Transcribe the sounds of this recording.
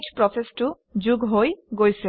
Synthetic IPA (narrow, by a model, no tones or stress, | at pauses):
t͡ʃpɾɔsʰesʈu | d͡ʑuɡɦojɡojse